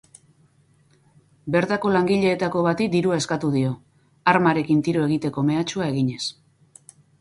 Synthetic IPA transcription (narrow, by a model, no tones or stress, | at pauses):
be̞ɾt̪ako̞laŋɡiʎe̞ːt̪ako̞βat̪ikd̪iɾuaeskat̪uðio̞ | aɾmaɾe̞kint̪iɾoe̞ɣ̞it̪e̞ko̞me̞at͡ʃuae̞ɣiɲe̞s